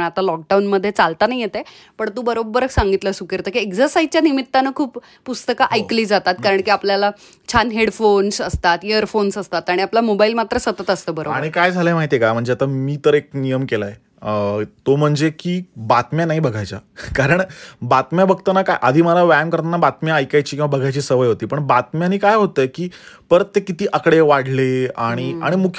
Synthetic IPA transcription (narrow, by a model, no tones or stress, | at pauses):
at̪alɔk̚ɖaunməd̪ʱːjet͡salt̪anaɦijet̪e | pəɳt̪uːbəɾobːəɾəksaŋɡit̪ləsukeɾt̪əːkiekd͡zəɾsajt͡ɕjanimit̪ːanəkʰuːp | pust̪əkaʔajkliːd͡zat̪at̪kaɾəɳkiːapljala | t͡ɕʰanɦeɽfonsəst̪at̪eəɾfonsəst̪at̪aɽ̃iaplamobailmat̪ɾəsət̪ət̪əst̪əːbəɾobaɽ̃ikajd͡zʱalemaɦit̪ekam̤əɳd͡zeat̪amiːt̪əɾek̚nijəmkelaje | ət̪om̤əɳd͡zekiːbat̪mjanaɦibəɡʱajt͡sa̰kaɾəɳbat̪mjabəɡ̚t̪ənakajʔad̪ʱiːməlaʋæmkəɾt̪anabat̪mjaːjkajt͡ɕiːkĩʋabəɡʱajt͡ɕiːsəʋəjɦot̪iːpəɳbat̪mjaniːkajɦot̪əjkiːpəɾt̪ːekit̪iːʔəkɽeʋaɽ̤leaɽ̃ia̰ɽ̃imukʰ